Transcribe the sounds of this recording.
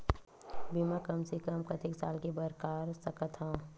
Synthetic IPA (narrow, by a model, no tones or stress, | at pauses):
bimakɐmsikɐmkɐt̪ʰɪksaːlkibɐɾkaːɾsɐkət̪ʰãː